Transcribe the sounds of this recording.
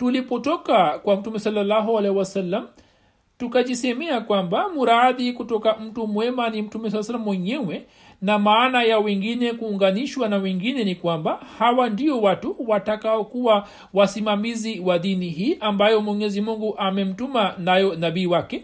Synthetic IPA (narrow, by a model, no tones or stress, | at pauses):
tulipɔtɔkakwam̩tumɛsalːalːaɦualɛhiwasalːam̩ | tukaʄismɛakwambamuɾaðikutɔkam̩tumwɛmanim̩tumɛs̬alːasalːamwɛɲɛwɛ | namaːnajawɛŋɡinɛkuːŋɡaniʃwanawɛŋɡinɛnikwambahawandiɔwatuwatakaɔkuwa | wasimamiziwaðiniɦiːʔambajɔmwɛɲɛzimuŋɡuʔamɛm̩tumanajɔnaɓiːwakɛ